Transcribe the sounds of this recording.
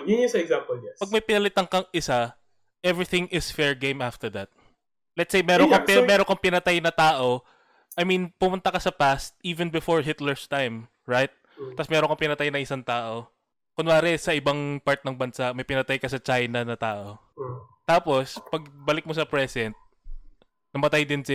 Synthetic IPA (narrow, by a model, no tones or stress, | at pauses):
jʊɛsɐɛɡzampɔlɛpɐɡ̚mɐjpɪnɐlɪt̪ɐŋkɐŋʔɪsa | ʔɛvɹiθɪ̃ŋɪsfɛɹɡẽjmaft̪ɛɹd̪ɐt̪̚ | lɛt̪sejmɛːɾonkɐpmɛːɾoŋkɐŋpɪnɐt̪ajnɐt̪aːʔo̞ | ʔɐjminpʊmʊnt̪ɐkɐsɐpast̪̚ʔiːvɛnbɪfoɹɦɪt̪lɛɹst̪ajm | ɹajt̪̚ː | ɐsmɛɾoŋkɐŋpɪnɐt̪ajnɐŋɪsaŋt̪aːʔo̞ | kʊnlaːɾɛsɐʔɪbaŋpaɹt̪̚nɐŋbɐnsaʔmɐjpɪnɐt̪ajkɐsɐt͡ʃajnɐnɐt̪aːʔo̞ | t̪aːpo̞spɐɡ̚bɐlɪk̚mosɐpɹɛsɛnt̪̚ | nɐmɐt̪ajd̪ɪnsɪ